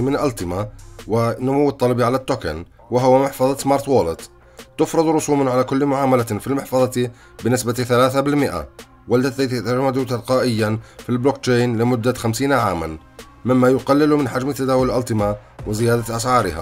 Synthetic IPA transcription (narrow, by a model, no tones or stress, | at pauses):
mənlʔɑlt̪ˤəmawənʊmʊwːət̪ˤːɑlbiʕalæt̪ːokə̰n | wəɦʊwːæmaħfɑðˤɑsmɑɾˤt̪woləd̪ | t̪ʊfɾˤɨd̪ˤɾˤʊsumnʕalækʊlːmʊʕaːmælæfilmɑħfɑðˤɑt̪i | bənəsbæt̪θælæθabɪlməʔa̰ | wəlt̪æd̪æjt̪jt̪aʒmːæd̪ʊt̪ɑlqɑʔəjːanfilblok̚t͡ʃejnləmʊd̪ːaxæmsiːnaʕama̰n | məmːæjʊqɑlːəlʊmənħaʒmit̪æd̪æːwʊlʔɑlt̪ˤəmawəzəjæːd̪at̪ʔɑsʕɑɾə̰hæ̰